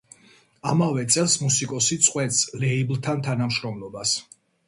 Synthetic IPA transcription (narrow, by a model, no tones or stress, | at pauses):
amavɛt̪sʼɛlˠsmusikʼɔsit̪sʼqʼwɛt̪slɛiblˠt̪ʰant̪ʰanamʃɾɔmlˠɔbas